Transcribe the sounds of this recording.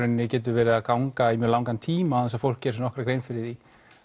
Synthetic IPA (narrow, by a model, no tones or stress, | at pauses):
ɾɪnːɪcɛːt̪̬ʏɾvɛːɾɪðaðkawŋkaimjœɾlawŋkant̪ʰiːmaθɛnsafowl̥cɛɾsnɔhkɾakɾejnfɪɾɪɾði